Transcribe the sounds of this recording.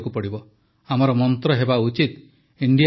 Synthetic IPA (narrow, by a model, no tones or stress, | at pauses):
kupɔɽibɔ | amɔɾɔmɔnt̪ɾɔɦebaut͡ʃit̪ | iɳɖij